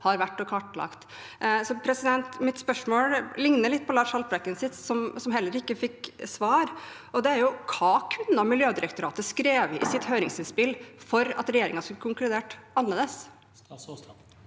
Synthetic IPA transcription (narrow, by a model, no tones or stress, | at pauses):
hɑɾʋæʈːɔkʰɑʈːlɑ̰kt̪ | sɔpʰɾɛsɪd̪ɛnt̪mɪt̪spœʂmoːllɪŋnəlɪt̪̚ːpʰɔlɑːʂɑlpɾɛkːənsɪt̪sɔmsɔmɦɛlːəɾɪkːəfɪksʋɑːɾ | ʔɔd̪ɛæɾjʊkʰɑːkʰʉnɑmɪljøːd̪ɪɾɛkt̪ʊɾɑːt̪əskɾeːʋɪ̰sɪt̪høːɾɪŋsɪnspɪlfɔɾɑ̰t̪ɾɛjeːɾɪ̰ŋɑskʉləkʰʊŋklʉd̪eːʈɑnːəːd̪əs